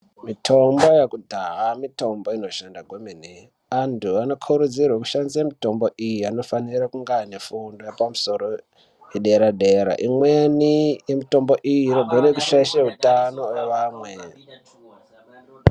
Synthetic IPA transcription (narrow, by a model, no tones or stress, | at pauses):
mitʰo̞mbo̞jekudʱaɦamito̞mbo̞ino̞ʃandaɡʱwomini | antʰuano̞kʰuɾud͡zirwaku̥ʃanziamito̞mbo̞ʔijiano̞fanirakuŋɡane̞fundojepamuso̞ɾo̞ | jeɗe̞ɾaɗe̞ɾa̰ʔimwenijemito̞mbo̞ʔijiːno̞ɡʱoɾekuʃaiʃeɦutano̞weʋaːmwe